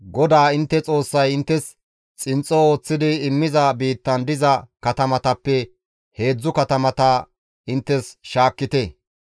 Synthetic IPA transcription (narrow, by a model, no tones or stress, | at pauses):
ɡɔd̪aːɪnt̪ːɛt͡sʼo̞ːsːɐjɪnt̪ːɛs | t͡sʼɪnt͡sʼːɔoːt͡sːɪd̪ɪːmːɪzɐbiːt̪ːɐnd̪ɪzɐkɐt̪ɐmɐt̪ɐpːɛ | he̞ːd͡zːʊkɐt̪ɐmɐt̪a | ʔɪnt̪ːɛsʃaːkːɪt̪ɛ